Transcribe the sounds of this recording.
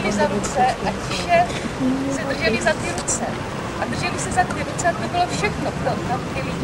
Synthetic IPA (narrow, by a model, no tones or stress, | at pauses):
lɪzaɾut͡sɛʔac | ʃɛ | sɛd̪r̩ʒɛlɪzat̪ɪɾut͡sɛ̰ | ʔad̪r̩ʒɛlɪsɛzat̪ɪɾut͡sɛat̪obɪlo̞fʃɛxnopɾot̪ompɛli